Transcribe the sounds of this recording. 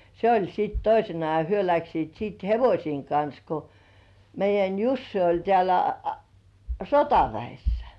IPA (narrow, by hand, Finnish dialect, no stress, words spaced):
se olʲ sit toisenɑ jɑ hyø læksiːt siːt heʋosʲiːŋ kɑns ko meijˑæn jusːi olʲ tĕæˑlæ sotɑʋæisːæ̥